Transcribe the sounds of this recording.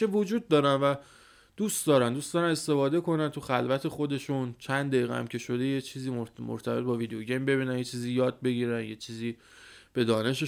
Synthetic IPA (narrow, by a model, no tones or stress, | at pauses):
evod͡ʒuːd̪̚ːɒːɾænvæ | d̪̥ust̪d̪ɒːɾænd̪uːst̪d̪ɒːɾæne̞st̪e̞fɒːd̪e̞ko̞nænt̪ʰuxælvæt̪ʰe̞xo̞d̪e̞ʃunt͡ʃʰænd̪d̪æjiːɣɛ̰æ̰mcʰe̞ʃo̞d̪e̞jet͡ʃʰiːziːomo̰ɾt̪ʰæbe̞t̪̚bɒːvid̪ejoɟembe̞βiːnænjet͡ʃʰiːziːjɒːd̪̚be̞ɟiːɾænje̞t͡ʃʰiːziː | b̥e̞d̪ɒːne̞ʃe